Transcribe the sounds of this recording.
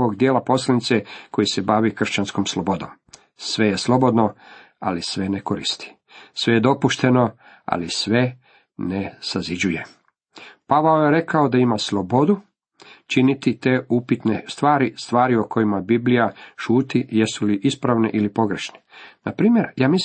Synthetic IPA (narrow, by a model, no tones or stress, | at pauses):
oɡd̪jeːlapo̞slˠanit̪seko̞jise̞baʋikr̩ʃt͡ɕanskomslˠobo̞d̪oːm | sʋe̞jeslo̞bo̞d̪no̞ | a̰lisʋe̞neko̞ɾḭst̪i̥ | sʋe̞jed̪o̞puʃt̪e̞no̞ | a̰lisʋe̞ | nesazid͡ʑuje̞ | paʋaojeɾe̞kaod̪aimaslˠobo̞d̪u | t͡ʃinit̪it̪e̞upit̪nest̪ʋaːɾist̪ʋaːɾiokʰo̞jimabiblijaʃuːt̪ijesuliʔispɾaʋneʔilipo̞ɡɾe̞ʃnenapɾiːmje̞ɾjaːmis